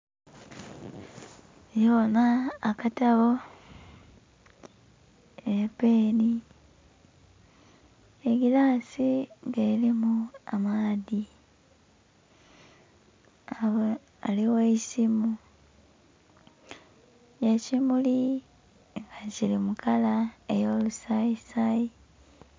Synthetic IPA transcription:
jonaːkataβo̞ | epeːni | eɡilaːsiŋɡelimuamaːði | a | aliweisimu | jecimuli | ŋɡacilimukalae̞jo̞ːlusaisai

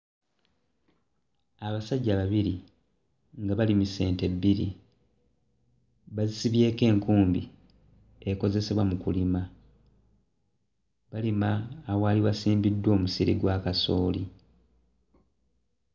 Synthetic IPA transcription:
aβasaɟːaβaβiɾi | ŋɡaβalimuse̞ːnte̞bːiɾḭ | βazisiβje̞ːke̞ːŋkuːmbi | eko̞ze̞seβwamukulima | βalimaːwaːliβasiːmbidːwo̞ːmusiɾiɡwaːkaso̞ːli

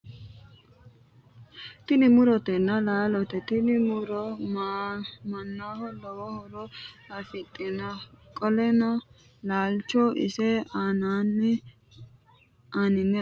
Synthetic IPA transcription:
t̪ɪnɪmʊɾɔt̪ɛnːɐlaːlɔt̪ɛt̪ɪnɪmʊɾɔ | mɐnːaːhɔlɔwɔhɔɾɔɐfɪt̪ʼːɪnɐkʼɔlɛnɔ | laːlt͡ʃɔʔɪ̰sɛanaːnːɛ | aːnɪnːɛ

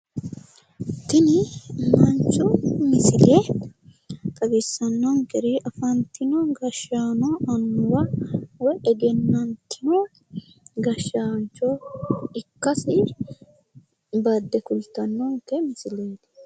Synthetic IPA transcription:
t̪ɪnɪmɐnt͡ʃːʊmɪsɪleːd̪ɐ | t̪ʼɐɡɪsːɐnːɔŋkɛɾɪʔɐfɐnt̪ɪnɔɡɐʃaːnɔɐnːʊwɐwɔʔɛɡɛnːɐnt̪ːɪnɐ | ɡɐʃːaːnt͡ʃːɔɪkːɐsɪ | bad̪ːɛkʊlt̪ːɐnːɔŋkɛmɪsɪle̞ːt̪ɐ̥

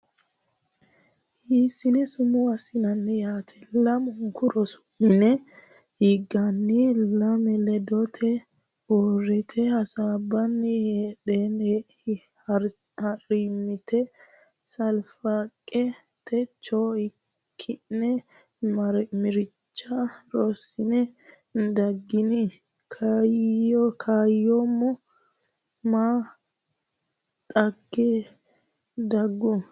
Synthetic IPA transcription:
hiːsɪnɛsʊmʊɐsɪnɐnːɛjaːt̪ʰɛlɐmɡʊɾɔsʊ̥mːɪnɛ | iːɡːɐnːɪlɐmɛlɛd̪ɔt̪ʰɛ | oːrɛt̪ʰɛhɐsaːbːɐnːɪheːɗeːn | hɐrimɪt̪ɛ | sɐlfakʼːɛ | t̪ʰɛt͡ʃːoːɪ | kʰːɪɛ | ɐɾmɪɾɪt͡ʃːaɾosɪnɛ | nd̪ɐɡːɪni | kʰaokʰaːjːoːmːɔ | maː | t̪ʼɐɡːeː | d̪ɐɡːʊ

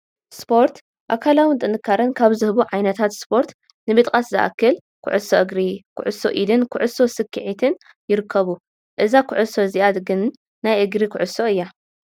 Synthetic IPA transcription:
spʰo̞ɾt̪ | ʔa̰kʰalawɨnt̪ʼɨnɨkʰːaɾɐnkʰaβzɨhbuʕajnɐt̪ʰat̪spʰo̞ɾt̪ | nɨbɨt̪ʼkʼaszɨ̰ʔa̰kʰːɨl | kʰʊ̰ʕʊso̞ʔɨɡɾikʰʊ̰ʕʊso̞ʔid̪ɨnkʰʊʕʊso̞sɨkʰːɨʕit̪ʰɨn | jɪɾɨkʰːɐβu | ʔɨzakʰʊʕʊso̞ziʔad̪ɡɨnː | ajʔɨɡɾikʰʊʕʊso̞ɨjːa

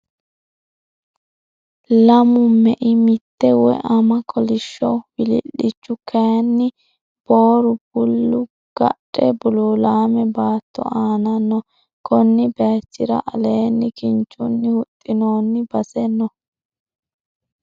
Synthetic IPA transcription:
lɐmʊmɛʔɪmɪt̪ːɛwɔʔɐmɐkʰɔlɪʃːɔwɪlɪ̰lːɪt͡ʃːʊkʰɐjɐnːɪ | b̥oːɾʊb̥ʊlːʊ | ɡ̥ɐ̰ɗʼɛbʊluːlaːmɛbaːt̪ːɔ̰ʔaːnɐnːɔ | kɔnːɪbeːt͡ʃːɪɾɐ̰ʔɐleːnːɪkɪnt͡ʃʼːʊnːɪhʊt̪ʼːɪnoːnːɪbɐsɛnːɔ

